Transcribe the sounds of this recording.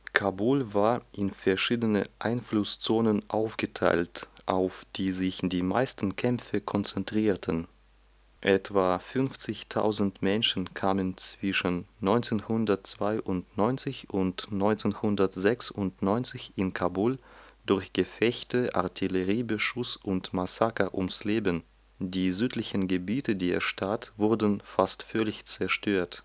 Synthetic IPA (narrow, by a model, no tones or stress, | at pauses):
kʰabulvaːɐʔɪnfɛɐʃiːdənəʔaɪnflʊst͡soːnənʔaʊfɡ̥ətʰa̰ɪltʔaʊfd̥iːzɪçd̥iːma̰ɪstn̩kʰɛmfəkʰɔnt͡sɛntʁ̥iːɐtʰən | ʔɛtv̥aːfʏnft͡sɪçtʰa̰ʊzn̩tmɛnʃn̩kʰaːmənt͡sv̥ɪʃənːɔʏnt͡seːnhʊndɐtt͡sv̥aɪʔʊntnɔʏnt͡sɪçʊntnɔʏnt͡seːnhʊndɐtz̥ɛksʊntnɔʏnt͡sɪçɪnkʰabuld̥ʊɐçɡ̥əfɛçtəʔa̰ɐtʰiləʁiːbəʃʊsʊntmasakɐʔʊmsleːbən | diːzyːtlɪçən̩ɡəbiːtədiːeɐʃtʰatv̥ʊɐdən̩fastfœɐlɪçt͡sɛɐʃtʰøːɐt